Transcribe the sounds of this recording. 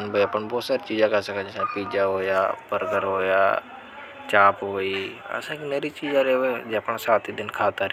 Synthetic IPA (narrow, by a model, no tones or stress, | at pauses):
nbəjapəɳbɔːt̪saːɾit͡ʃiːd͡ʒãkasãkʰãd͡ʒəsãːpiːd͡ʒaɦoːjaːpəɾɡ̪əɾɦoːja̰ː | t͡ʃaːpɦoːiːə̰sãːkʰinəɾit͡ʃiːd͡ʒãɾeod͡ʒeəpəɳ̃saːt̪ʰiːd̪ɪnkʰaːt̪aɾ